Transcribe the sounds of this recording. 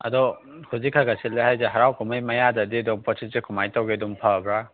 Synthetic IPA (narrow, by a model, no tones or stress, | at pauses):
a̰dɔ | kʰuzikʰaɡasilːehajzeɦaɾawkɔmajmajadadidɔmpɔsʰisekʰumajtawɡedɔmpʰabɾa